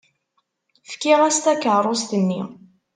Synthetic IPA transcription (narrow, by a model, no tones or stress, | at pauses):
fkiʁæst̪ækəʕɾˤost̪ənːi